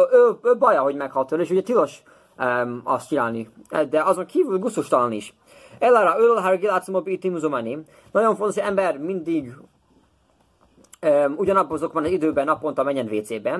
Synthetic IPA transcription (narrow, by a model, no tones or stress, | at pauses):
øøbɒjɒɦo̞ɟmɛkhɒlt̪øleːʃuɟɛt̪ilo̞ʃ | ømɒst̪t͡ʃinaːlnid̪ɛɒzo̞ŋkʰiːvylɡusuʃt̪ɒlɒniʃ | ɛlːaɾɒøllɦaɾɡilat̪smobit̪imuzumani | nɒɟo̞ɱfont̪oʃɛmbɛrmind̪iɡ | øuɟɒnɒbːzokbɒnɒzid̪øːbɛnɒpːont̪ɒmɛɲːɛnveːt̪seːbɛ